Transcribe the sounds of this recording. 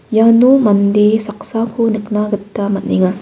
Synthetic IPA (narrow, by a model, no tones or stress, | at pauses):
jaːnumɐnd̪esɐksaːkuniknaːɡɯt̪ːamɐt̪niŋa